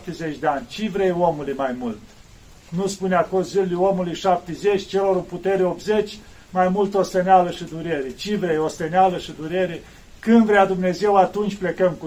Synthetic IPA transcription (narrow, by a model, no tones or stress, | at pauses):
p̚t̪eze̞t͡ʃʲd̪eanʲt͡ʃivɾejomulujmajmult̪ | nuspuneakoʒillujo̞mulujʃap̚t̪ezet͡ʃʲt͡ʃe̞lo̞ɾuput̪e̞ɾeop̪ze̞t͡ʃʲ | majmult̪ost̪enealəʃid̪uɾeɾet͡ʃivɾejost̪enealəʃid̪uɾe̞ɾe | kɨnd̪vɾead̪umne̞ze̞wat̪unt͡ʃʲple̞kəmku